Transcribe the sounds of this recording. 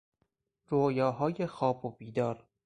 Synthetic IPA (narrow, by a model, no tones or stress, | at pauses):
ɾojɒːɦɒːjexɒːbobiːd̪ɒːɾ